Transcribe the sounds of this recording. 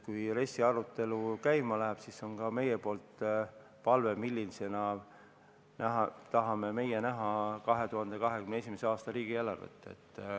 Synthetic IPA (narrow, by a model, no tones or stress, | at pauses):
kujre̞sːiɑɾut̪ːˑe̞lukæjmɑlæɦæb̥siso̞nkɑme̞jepo̞ːlt̪ | pɑlve̞milʲːilise̞nɑ | nʔæɦɑt̪ɑɦɑme̞me̞jenæɦɑkɑɦe̞t̪uhɑnd̪̥e̞kɑɦe̞kymneesimeseɑːst̪ɑɾiːɡ̥ielɑrvə̰t̪ːˑḛt̪ːˑ